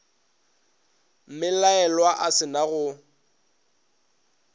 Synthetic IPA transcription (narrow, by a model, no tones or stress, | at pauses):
m̩mɪlaɛlwaʔasɪnaɣʊ